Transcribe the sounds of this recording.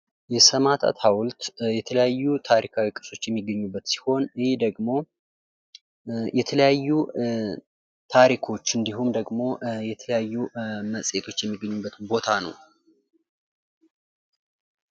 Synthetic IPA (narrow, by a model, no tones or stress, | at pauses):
jɛsəmat̪ʰa̰t̪hawʊlt̪jɛt̪ʰələjajːut̪ʰaɾikʰawikʼɨ̥sʼo̞t͡ʃːjɛmːiɡːəɲːubːət̪si̥ho̞nhed̪əɡmo̞ | jɛt̪ʰələjajːu | t̪ʰaɾikʰo̞t͡ʃːɨnd̪iɦumd̪əɡmo̞jɛt̪ʰələjajːuməsʼet̪ʰo̞t͡ʃːjɛmːiɡːəɲːubːət̪bo̞t̪ʰanə̰w